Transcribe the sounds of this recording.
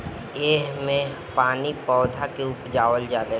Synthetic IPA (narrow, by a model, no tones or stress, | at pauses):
eːɦmẽ | paːnipɔːd̪ʱakeʊpd͡ʒaːʋəld͡ʒaːd̪ə